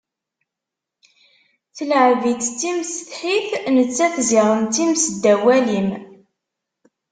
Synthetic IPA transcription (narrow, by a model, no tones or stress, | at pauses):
θələʕvit͡stːimsəθħiθnət͡sːæθziʁəmt̪imsəd̪ːæwælim